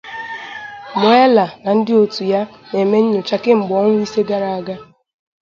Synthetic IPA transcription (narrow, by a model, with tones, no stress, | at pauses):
mo˨e˦la˨na˨n̩˦dɪ˦o˨tu˨ja˦ | ne˨me˦ɲ̩˦ɲʊ˨t͡ʃa˦kɪ˦ŋ͡m̩˨ɡ͡bɔ˦ŋʷʊ˦i˦se˦ɡa˦ɾa˨a˦ɡa˦